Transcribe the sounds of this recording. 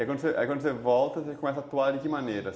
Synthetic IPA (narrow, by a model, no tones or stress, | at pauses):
ɛkɐ̃d̪ʊseʔa̰kwɐ̃nd̪osevɔlt̪ɐsekomɛsaːt̪ːuaɾd͡ʒɪkɪmɐ̃neɾɐ